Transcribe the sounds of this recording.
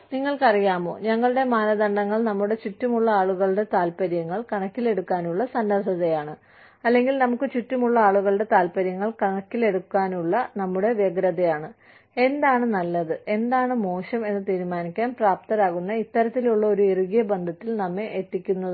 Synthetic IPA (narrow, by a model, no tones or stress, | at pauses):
niŋːɐɭkɐrijaːmo̞̰ːɲɐŋːɐɭuɽe̞maːnɐðɐɳɖɐŋːɐɭnɐmːuɽe̞t͡ɕutːumuɭːɐaːɭuɣɐɭɽe̞t̪aːlpɐɾjɐŋːɐɭkɐɳɐkːile̞ɽukːaːnuɭːɐsɐnːɐsɐðɐjaːɳɨ | ɐlːe̞ŋɡilnɐmukːɨt͡ɕutːumuɭːɐaːɭuɣɐɭɽe̞t̪aːlpɐɾjɐŋːɐɭkɐɳɐkːile̞ɽukːaːnuɭːɐnɐmːuɽe̞ʋjɐɡɾɐðɐjaːɳɨ | e̞nd̪aːɳɨnɐlːɐðɨe̞nd̪aːɳɨmo̞ːɕɐme̞nːɨt̪iːɾumaːnikʲːaːnpraːp̚t̪ɐɾaːɣunːɐit̪ːɐɾɐt̪ːiluɭːɐo̞ɾueruɣijɐbɐnd̪ʱɐt̪ːilnɐmːe̞ʔːt̪ːikʲːunːɐðɨ